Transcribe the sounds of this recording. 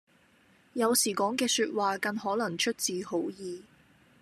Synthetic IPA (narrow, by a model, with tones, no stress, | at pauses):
jɐ˨˧wsiː˨˩kɔː˨˥ŋkɛː˧syː˧t̚waː˨˧kɐ˧nhɔː˨˥lɐ˨˩ŋt͡ʃʰɵ˥t̚t͡siː˨˧ho˨˥wjiː˨